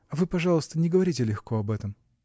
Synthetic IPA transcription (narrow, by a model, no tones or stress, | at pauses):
ɐvɨpɐʐɑlˠəst̪ənʲɪɡəvɐɾʲitʲɪlʲɪxko̞ɐbɛt̪əm